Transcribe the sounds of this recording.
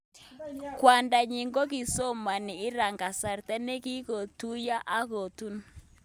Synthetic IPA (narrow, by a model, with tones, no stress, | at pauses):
kwa˨nda˨ɲɪ˨ŋɡo˦ki˨so˦ma˨nɪ˨ɪ˦ɾa˨ŋɡa˨sa˨ɾtɛ˦ne˦ki˦ko˨tu˦ja˦ʔa˦ɣo˨tu˦n